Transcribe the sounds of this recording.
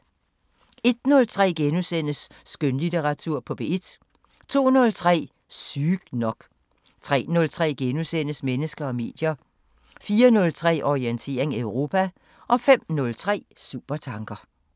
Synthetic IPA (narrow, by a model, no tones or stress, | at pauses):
e̝d̥nɔ̽lt͡sʰʁɛ̰ːɡ̥enusen̰əsː | ɡ̥ønlit͡seʁɑ̈t͡sʰuɐ̰pʰɒ̽b̥e̝e̝d̥ | t͡sʰo̝̰ːnɔ̽lt͡sʰʁɛ̰ː | syɡ̥nɒ̽ɡ̥ | t͡sʰʁɛ̰ːnɔ̽lt͡sʰʁɛ̰ːɡ̥enusen̰əsmenəsɡ̥ɐɒ̽me̝̰ːd̥jɐ | fiːɐnɔ̽lt͡sʰʁɛ̰ːʔɒʁient͡sʰe̝̰ɐ̰eŋøʊʁo̝pʰæ | ʔɒ̽fem̰nɔ̽lt͡sʰʁɛ̰ːsṵb̥ɐt͡sʰɑ̈ŋɡ̥ɐ